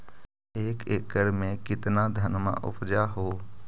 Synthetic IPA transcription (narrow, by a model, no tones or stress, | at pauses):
eːkekːəɾmẽkɪt̪nad̪ʱənma̰ʔʊ̰pʰd͡ʒaɦoː